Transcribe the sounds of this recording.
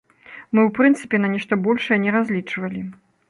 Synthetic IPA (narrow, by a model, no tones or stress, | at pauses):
mɨwpɾɨnt̪sɨ̥pʲɛnɐnʲɛʂt̪ɐbɔlʲʂɐjɛnʲɛɾazʲlʲit͡ʂvɐlʲi